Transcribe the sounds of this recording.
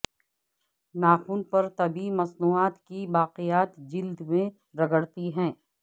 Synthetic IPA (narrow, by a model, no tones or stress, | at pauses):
naːxuːnpɐɾt̪ɐbimɐsnuːaːt̪kiʋaːqejaːt̪d͡ʒɪld̪mẽ | ɾɐɡəɽt̪iɦɛ̃ː